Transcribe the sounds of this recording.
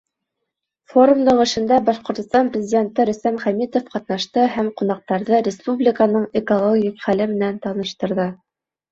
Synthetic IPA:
fo̞ɾumd̪ɤɴɘ̆ʃɘ̆nd̪æbɑʃqŏɾt̪ŏst̪ɑmprʲɪzʲɪdʲe̞nt̪ɘɾɵ̆sæmχæmit̪ofqɑt̪nɑʃt̪ɤhæmqunɑq̚t̪ɑɾðɤɾʲɪspublʲɪkanɤɴekolˠoɡʲiqχælɘmɘ̆nænt̪ɑnɤ̆ʃt̪ɤ̆ɾðɤ

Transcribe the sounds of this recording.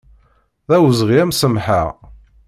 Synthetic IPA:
ðæwzʁiæmsəmħaʁ

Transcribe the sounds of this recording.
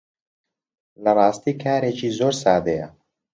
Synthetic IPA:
lɐɾaːst̪ikʰæːɾet͡ʃiːzoɾsaːd̪eja

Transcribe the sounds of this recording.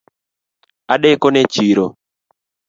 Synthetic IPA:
aɗɛkɔnet͡ʃiɾɔ

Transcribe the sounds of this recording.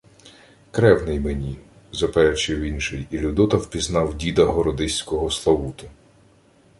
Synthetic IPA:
kɾɛwnɪjmenʲi | zɐpɛɾɛt͡ʃɪwinʃɪjilʲud̪ɔt̪ɐwpʲiznɑwdʲid̪ɐɦɔɾɔd̪ɪsʲkɔɦɔslˠɔwut̪ʊ

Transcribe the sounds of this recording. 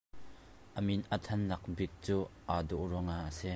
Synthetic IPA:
ʔəminʔət̪ʰɐnːɐk̚bik̚t͡suːʔaːd̪uʔruŋaːʔəsi

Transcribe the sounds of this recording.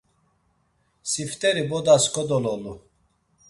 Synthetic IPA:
sift̪ʼɛɾibɔd̪askʰɔd̪ɔlɔlu

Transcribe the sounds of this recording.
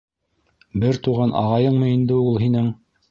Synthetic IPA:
bɘɾt̪uʁɑnʔɑ̰ʁɑjɤɴmɤind̪ɘulˠɦinɘŋ

